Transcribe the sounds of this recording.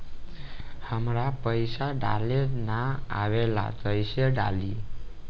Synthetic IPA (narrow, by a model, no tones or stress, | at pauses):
həmɾapəjsaɖa̰lenaa̰ʋela̰t̪əjsəɖa̰li